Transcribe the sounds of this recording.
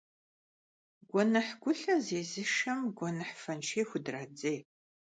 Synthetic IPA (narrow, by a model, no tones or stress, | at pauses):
ɡʷɔnɐħɡʷʊɬɐzeːzɨʂɐmɡʷɔnɨħfɐnʃʰeːxʷʊdrɐd͡zej